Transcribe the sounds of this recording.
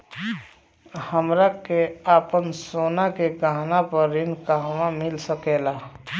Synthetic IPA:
həmɾakeaːpənsoːnakeɡaɦnapəɾɪnkaʋamɪlsəkeːlaː

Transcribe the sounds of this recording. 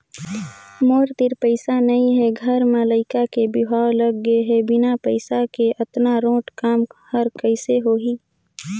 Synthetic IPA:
moːɾt̪ɪɾpəɪsanɐĩɦɛɡʱəɾmalaːɪkakebɪʋaːwləɡːeɦɛbɪnapəɪsakeʔət̪naɾõːʈkaːmhəɾkəɪseɦoːɦiː

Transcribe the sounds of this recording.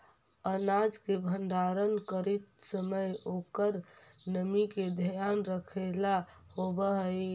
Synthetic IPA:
ənaːd͡ʒkebʱənd̪aːɾənkəɾit̪səməjoːkəɾnəmiked̪ʱəjaːnɾəkʰela | ɦobəɦəi

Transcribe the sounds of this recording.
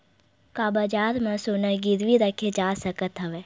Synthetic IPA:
kaːbəd͡ʒaːɾmãsonəɾɡɪɾʋiɾəkʰed͡ʒaːsəkət̪ɦəʋeː

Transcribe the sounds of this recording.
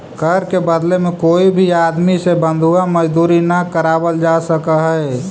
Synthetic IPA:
kəɾkebəd̪lemẽkoːibʱiaːd̪misebə̃nd̪ʱuamɐd͡ʒd̪uːɾinakəɾaːwəld͡ʒaːsəkaɦɛ

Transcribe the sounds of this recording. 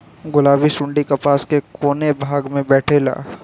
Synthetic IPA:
ɡʊlaːbisʊ̃ɳɖikɐpaːskekoːnebʱaːɡmẽbɛːʈʰela̰ː

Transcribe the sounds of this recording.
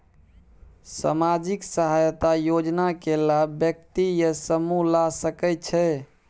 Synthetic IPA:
sa̰mad͡ʒiksəɦajt̪ajod͡ʒnakelabjək̚t̪ijəsəmulasəkɛt͡ʃʰɛ

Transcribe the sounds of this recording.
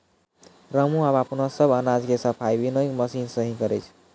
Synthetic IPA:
ɾəmuabapnəsəbənad͡ʒkesəpʰajbinəjkməsinsəɦĩkʌɾət͡ʃʰ

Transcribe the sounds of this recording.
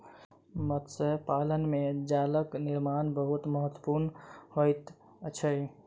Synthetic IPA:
mət̪səpalənmed͡ʒaləkniɾmanbəɦut̪məɦət̪ːwə̥puɾnhojt̪ | t͡ʃʰəj

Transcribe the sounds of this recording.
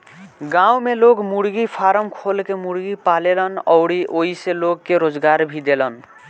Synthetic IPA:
ɡãumelokmuɽɡipʰaɾəmkʰolkemuɽɡipalelənɔ̰wɽiʔoɦiselokːeɾod͡ʒɡaɾbʱid̪elən

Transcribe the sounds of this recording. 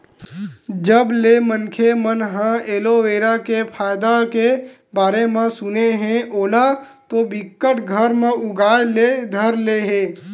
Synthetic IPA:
d͡ʒəblemənkʰemənɦãeːloeːɾakepʰaːjd̪ake | baːɾemẽsʊneɦɛ̃ʔoːla | t̪obɪkːəʈɡʱəɾmẽʔʊɡaːjled̪ʱəɾleɦẽː

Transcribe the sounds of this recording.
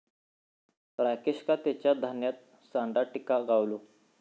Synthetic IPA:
ɾakeɕkat̪jat͡ɕjad̪ʱanjat̪̚ | sãɳɖaʈikaɡawlo

